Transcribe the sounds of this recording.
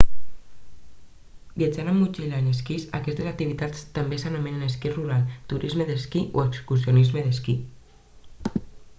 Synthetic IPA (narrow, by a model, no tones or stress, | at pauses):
biad͡ʒanamːut͡ʃilaneskisakɛst̪ezak̚t̪iβ̞it̪at͡st̪ambesanameneneskiruɾalt̪uɾʔizmeðeskiʔoekskusjonizmeðeski